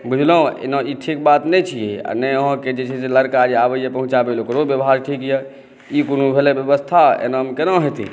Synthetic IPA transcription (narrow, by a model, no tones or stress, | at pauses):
bud͡ʒʱləũḛnãiʈʰikbat̪nɛt͡ʃʰijea̰nɛoɦə̃ked͡ʒet͡ʃʰɛseləɾkaɾiabejepəɦũt͡ʃabelokɾobjəbɦaɾʈʰikjɛ | ikonũbʱelebjəbəst̪ʰaḛnəmkenəɦet̪ḭ